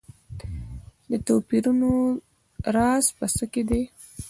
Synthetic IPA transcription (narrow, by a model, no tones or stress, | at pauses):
d̪ət̪opiɾuno | ɾɑspəsəked̪e